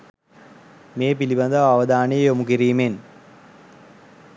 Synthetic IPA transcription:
meːpilibɐnd̪ɐɐʋɐd̪aːɳejomukiɾiːmen

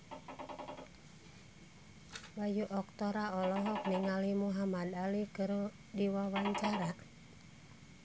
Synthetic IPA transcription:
wajuʔɔk̚t̪ɔɾaɔlɔɦɔk̚niŋalimuɦamad̪alikɨr | diwawaɲt͡ʃaɾa

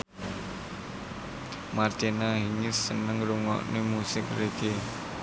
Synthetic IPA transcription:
mart͡ʃinaɦiŋɪsːənəŋɾuŋɔ̰ʔnemusɪk̚reɡe

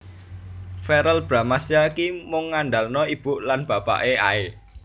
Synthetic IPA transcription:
fɛɾəlb̥ɾa̤masjakimʊŋːanɖalnɔib̥uʔlanb̥ä̤pa̰ʔea̰e

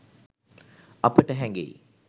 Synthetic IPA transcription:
ɐpəʈəɦɛŋɡḛi

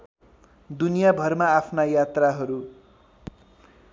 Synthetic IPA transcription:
d̪unijabʱʌrmaːpʰnajat̪raɦʌɾu

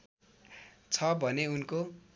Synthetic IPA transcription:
t͡sʰʌbʱʌneunko

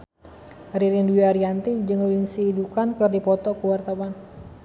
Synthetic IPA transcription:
ɾiɾinduiaɾiant̪id͡ʒɨŋulinsiːdukankərdipɔt̪ɔkəwart̪awan

